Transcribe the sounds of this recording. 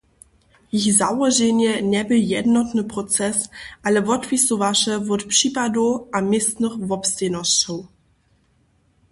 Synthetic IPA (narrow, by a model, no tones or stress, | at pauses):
jixzawɔʒenjɛnɛbɪljɛdnɔtnəpʁɔt͡sɛsʔalɛvɔtvisovaʃəvɔtpʂiːpadoʔamɪst̪nəχvɔpstenɔst͡ʃɔw